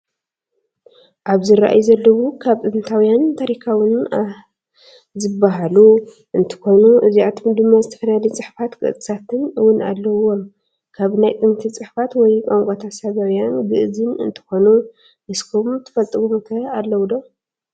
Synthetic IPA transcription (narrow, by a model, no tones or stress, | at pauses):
ʔaβzɨɾa̰ʔa̰jzɐlːɐwukʰaβt̪ʼɨnɨt̪ʰawijant̪ʰaɾikʰawɨn | zɨbaɦalu | ʔɨnt̪ʰɨ̥xo̞nuʔɨziʕat̪ʰomd̪ɨmːazɨt̪ʰɐ̥fɐlalt͡sʼɨħfat̪kʼɨ̰ʔt͡s̪ʼɨ̥sat̪ʰɨnɨwʊnalːɐo | kʰaβnajt̪ʼɨnt̪ʰit͡sʼɨħfat̪wɔjkʼoŋkʷʼat̪ʰasaβawijanɡɨʔɨzɨnɨ̰nt̪ʰɨ̥xo̞nu | mɨskʰumt̪ʰɨ̥fɐlt̪ʼɨβumk̪ʰɐalːɐwd̪o